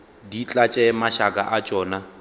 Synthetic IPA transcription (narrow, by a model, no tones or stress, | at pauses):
dit͡ɬʼat͡ʃʼɛmaʃakʼa̰ʔat͡ʃʼɔːna